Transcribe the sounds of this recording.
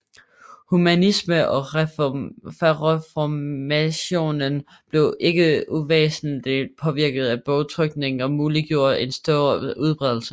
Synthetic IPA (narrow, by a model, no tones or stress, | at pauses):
humænisməʔɒ̽ | ʁfɒmæɕo̝̰ːnən | b̥le̝ʊʔe̝ɡ̥əuʋḛːsn̩lipʰɒ̽ʋiɐ̰ɡ̥əð̞̩ˠæb̥ɒʊt͡sʰʁœɡ̥ne̝ŋn̩ɒ̽muːliɡ̥jo̝ɐ̰d̥e̝nsd̥ɔːɐuð̞ˠb̥ʁɛð̞ˠl̩sə